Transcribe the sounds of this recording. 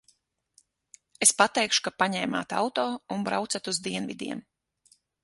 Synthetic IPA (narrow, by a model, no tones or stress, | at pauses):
espat̪ɛjkʃu̥kapaɲɛːma̰ːt̪a̰wt̪ɔːunbɾa̰wt̪sat̪uzd̪iɛnvḭd̪ʲḭɛm